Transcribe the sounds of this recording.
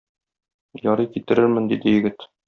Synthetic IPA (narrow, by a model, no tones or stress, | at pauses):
jɒɾɤjkit̪ɘ̆ɾɘɾmɘnd̪id̪ɘjɘ̆ɡɘt̪